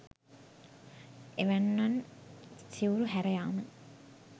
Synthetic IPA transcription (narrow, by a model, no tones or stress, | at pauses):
eʋænːan | siuɾuɦæɾejaːmə